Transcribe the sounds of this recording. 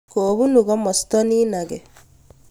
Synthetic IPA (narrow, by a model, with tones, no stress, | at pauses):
koːβu˦nuɣɔ˦mɔ˨st̪ɔ˦ni˦naɡɛ